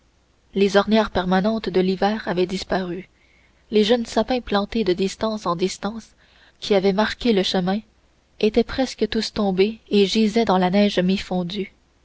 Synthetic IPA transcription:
lezɔʁnjɛʁpɛʁmanɑ̃t̪d̪əlivɛːʁavɛd̪ispaʁy | leʒœnsapɛ̃plɑ̃t̪ed̪əd̪ist̪ɑ̃sɑ̃d̪ist̪ɑ̃ːs | kʲiavɛmaʁkʲeləʃəmɛ̃ | et̪ɛpχɛskət̪ust̪ɔ̃beeʒizɛd̪ɑ̃lanɛːʒmefɔ̃d̪y

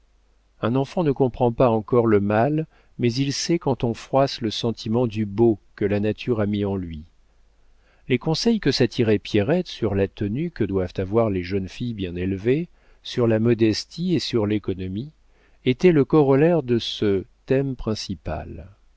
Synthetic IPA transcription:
ɛ̃nɑ̃fɑ̃nəkɔ̃pχɑ̃paɑ̃kɔʁləmal | mɛzilsɛkɑ̃t̪ɔ̃fχwasləsɑ̃t̪ʰimɑ̃d̪ybokəlanat̪ʰyʁamiɑ̃lɥi | lekɔ̃sɛjkəsat̪ʰiʁɛpjɛʁɛt̪syʁlat̪ənykəd̪wavt̪avwaʁleʒənfijbjɛ̃nelve | syʁlamɔd̪ɛst̪iesyʁlekɔnɔmi | et̪ɛləkɔʁɔlɛʁd̪əsət̪ɛmpχɛ̃sipa̰l

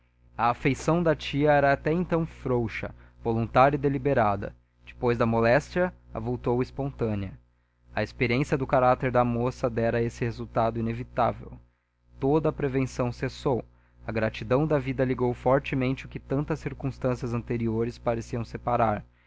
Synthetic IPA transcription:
ɐːfejsɐ̃w̃d̪ɐt͡ʃiɐɛɾɐːt̪ɛẽnt̪ɐ̃w̃fɾowʃɐ̰volũnt̪aɾjɪd̪elibeɾad̪ɐ̰ | d͡ʒɪ̥pojzd̪ɐmolɛst͡ʃiɐɐvowt̪owɪspõnt̪ɐ̃niɐ | ɐespeɾiẽsjɐd̪ʊkaɾat̪eɾd̪ɐmosɐd̪ɛɾɐesɪhezuwt̪ad̪ʊinevit̪avḛw | t̪od̪ɐːpɾevẽsɐ̃w̃sesow | ɐɡɾat͡ʃid̪ɐ̃w̃d̪ɐvid̪ɐliɡowfɔɾt͡ʃɪmẽnt͡ʃɪʊkɪt̪ɐ̃nt̪ɐsiɾkũst̪ɐ̃siɐzɐ̃nt̪eɾioɾɪspaɾesiɐ̃w̃sepaɾaɾ

